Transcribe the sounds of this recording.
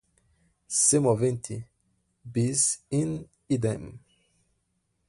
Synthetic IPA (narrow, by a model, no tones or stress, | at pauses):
semɔvẽnt̪ʰi | bizin | id̪em